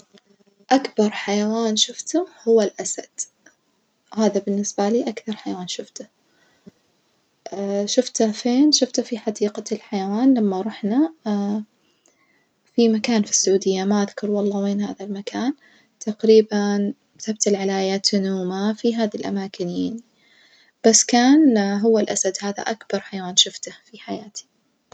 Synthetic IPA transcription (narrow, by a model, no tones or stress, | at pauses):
ʔakbɑɾˤħajawaːnʃʊft̪ʊhʊwːalʔasa̰d̪̥ | haːðabɪnːɪsbaliːʔakθɑɾˤħajawaːnʃʊft̪ʊ̥ | ʃʊft̪afeːnʃʊft̪ʊfiħad̪iːqalħajawaːnlamːaɾˤɑħna | fimakaːnfi̥sːʊʕuːd̪ɪjːamaʔaðkʊɾˤwɑlˤːɑːweːnha̰ːðalmakaːn | t̪aqɾiːban | t̪ab̚t̪alʕalajat̪nuːmafiɦaːðilʔa̰maːkɪnjaani | b̥asːkaːnɦʊwːalʔasad̪haːða̰ʔakbɑɾˤħajwaːnʃʊft̪afiħajaːt̪i̥